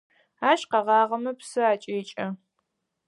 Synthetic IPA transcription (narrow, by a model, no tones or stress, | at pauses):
aːʃqɐʁɑːʁɐmɐpsɨaːt͡ʃʼeːt͡ʃʼɐ